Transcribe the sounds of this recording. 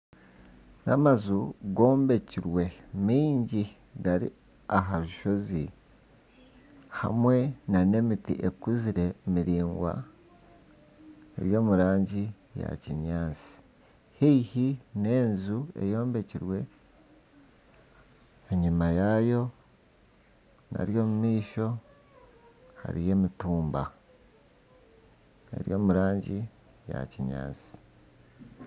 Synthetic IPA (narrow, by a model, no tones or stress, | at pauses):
namazuɡo̞ːmbe̞ciɾwe̞miːɲɟi | ɡaɾḭ | aɦaβuʃo̞zi | ha̰mwe̞nane̞mitḭʔekuziɾe̞miɾiːŋɡwa̰ | ḛɾjo̞ːmuɾaːɲɟi | ja̰ciɲaːnt͡si̥ | hiihine̞ːnzue̞̰jo̞ːmbe̞ciɾwe̞ | eɲumajaːjo̞ | na̰ɾjo̞ːmumiːʃo̞ | ha̰ɾije̞ːmituːmba | e̞̰ɾjo̞ːmuɾaːɲɟi | ja̰ciɲa̰ːnsi̥